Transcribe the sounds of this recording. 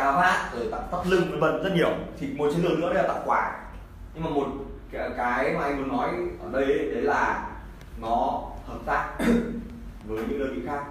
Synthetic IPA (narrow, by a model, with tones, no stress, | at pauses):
kaː˧wɦaː˧˥zoː˨˩t̪a̰˧˨t̪a˦˥p̚lɨ˧ŋə˨˧˩və̰˧˨t̚zə˦˥t̚ɲi˧˩əwt̪ʰi˨˩mo˨˩t̚t͡ɕi˨˦ləː˧˩nɨ̰˧˥˧ə˧˦laː˨˩a̰˧˨˩kwaː˧˩ | ɲɨ˧ŋmaː˨˩mo˨˩t̚kkaː˨˦jmaː˨˩ʔa˧ŋ̟mu˨˦ənːɔ˨˦jʔəː˧˩ɗə˧jɗe˨˦laː˨˩ | nɔ˨˦t̪ʰə˧˩t̚saː˦˥k̚ | nə˨˦jɲɨ̰˧ŋɗəː˧˩ki˨˧˩xaː˦˥k̚